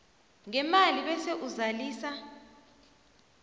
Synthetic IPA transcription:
ŋɛmaliɓɛseʔuzaliːsa

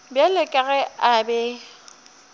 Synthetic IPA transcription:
bjalɪkʼaɣɛabɛ

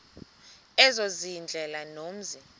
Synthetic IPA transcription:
ɛzozind͡ɮʱɛlanom̩zi

